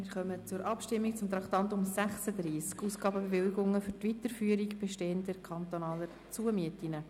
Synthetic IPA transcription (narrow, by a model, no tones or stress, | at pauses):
mɪːɾχœmət͡sʊɾʔɑpʃtɪmːik̚t͡sʊmt̪ɾɑkt̪ɑntʊmsæχsəd̪ɾiːskuːsɡ̥ɑːbəbeʋɪliɡʊŋːəføɾtʋitəɾfyːəɾikb̥ɛʃteːəntdɛɾkʰɑnt̪onɑːləɾ | t͡suəmiətinə